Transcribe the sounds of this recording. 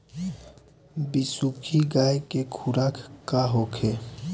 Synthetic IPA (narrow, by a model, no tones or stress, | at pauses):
bɪsukʰiɡaːekekʰuɾaːkʰkaɦoːkʰe